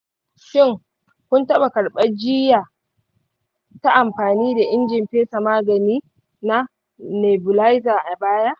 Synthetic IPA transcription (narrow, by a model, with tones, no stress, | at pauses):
ʃɪ˦˨ŋ | kʷʊ˦ntɐ˦ɓa˨kɐ˨ɽɓɐ˦d͡ʒɪː˦jaː˨ | ta˦ʔa˨mɸaː˨niː˦da˨ʔɪ˦nd͡ʒɪ˨mɸeː˦sa˨maː˦ɡɐ˨niː˦ | na˦ | ne˨bʊ˨la˦jzaː˨ʔa˨baː˦ja˦ʔ